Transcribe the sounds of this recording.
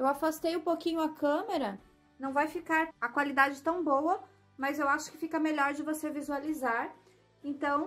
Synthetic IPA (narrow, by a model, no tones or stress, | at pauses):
ewafast̪ejũpokĩɲʊɐkɐ̃meɾɐ | nɐ̃w̃vajfikaɾɐkwalid̪ad͡ʒɪt̪ɐ̃w̃bowɐ | mɐzewaʃʊ̥kɪ̥fikɐmeʎɔɾd͡ʒɪvosevizualizaɾ | ẽt̪ɐ̃w̃